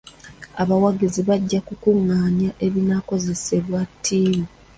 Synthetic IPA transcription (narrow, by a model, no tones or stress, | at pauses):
aβawaɡiziβaɟːakukuŋːaːɲaʔe̞βinako̞ze̞se̞βwatʰːiːmi